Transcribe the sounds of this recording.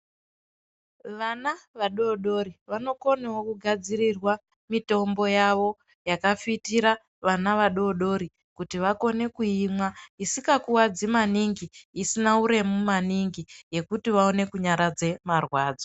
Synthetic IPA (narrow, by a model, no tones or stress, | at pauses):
ʋanaʋaɗo̞ɗo̞ɾiʋano̞ko̞newokuɡʱad͡zirirwa | mito̞mbo̞jaʋo̞ | jakafitiɾa | ʋanaʋaɗo̞ɗo̞ɾi | kutiʋako̞ne̞kuimwaisikakuwad͡zimaniŋɡiːsinauɾe̞mumaniŋɡije̞kutiʋao̞ne̞kuɲaɾad͡ze̞marwaːd͡zo